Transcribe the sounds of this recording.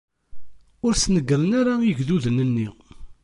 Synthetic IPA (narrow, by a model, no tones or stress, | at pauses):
ʊɾsnəɡəɾənaɾajəʝðuðənənːi